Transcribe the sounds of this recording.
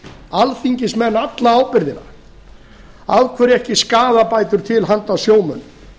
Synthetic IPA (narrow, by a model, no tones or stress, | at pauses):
alθiɲcɪsmɛnːat̪laaːwpɪɾðɪna̰ | aðkʰvɛːɾɛhcɪskaːðapajt̪ʏɾ̥t̪ʰɪlɦant̪asjoːwmœnːʏm